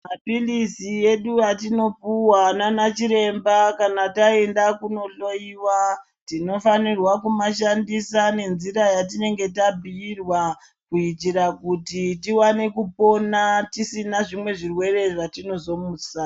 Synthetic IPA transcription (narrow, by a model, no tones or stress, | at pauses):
mapilisije̞ɗujatino̞puwananat͡ʃiɾe̞mbakanatae̞ndakuno̞ɬoiwa | tino̞fanirwakumaʃandisane̞nziɾajat̬ine̞ŋɡe̞tabʱiːrwa | kuit͡ʃiɾakutitiwane̞kupo̞natisinaʐimwe̞ʐirwe̞re̞ʐatino̞zo̞musa